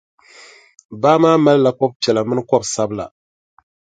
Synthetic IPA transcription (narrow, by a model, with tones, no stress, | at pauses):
baː˦maː˦ma˦lla˨kɔ˦b̚pɛ˨la˨mɨ˦nɨ˦kɔ˦bsa˦bɨ˦la̰˨